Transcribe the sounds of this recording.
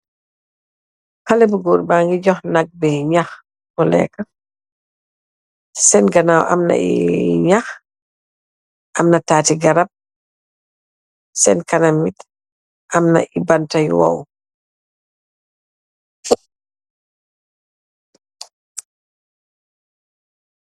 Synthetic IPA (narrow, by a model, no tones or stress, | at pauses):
halɛbuɡɔːɾbaːŋɡiɟɔxnaɡ̚bɛɲax | mɔlɛ̰ːka | sɛnɡanawʔa̰mna̰ḭɲax | ʔamnataːtiɡaɾap̚ | sɛnkanamit | ʔamna̰ʔibantajwa̰w